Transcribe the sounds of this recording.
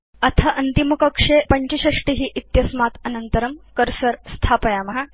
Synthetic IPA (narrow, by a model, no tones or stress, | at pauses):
ɐt̪ʰɐʔɐnt̪imukɐkʂepɐɲt͡ɕiɕɐʂʈiɦiʔit̪jɐsmat̪ɐnənt̪əɾəmkəɾsəɾst̪ʰapɐjamɐɦa